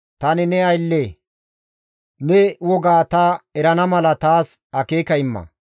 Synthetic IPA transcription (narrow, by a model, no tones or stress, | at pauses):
t̪ɐnɪnɛɐjlːe | nɛwɔɡaːt̪ɐɛɾɐnɐmɐlɐt̪aːs | ɐkeːkɐɪmːɐ̰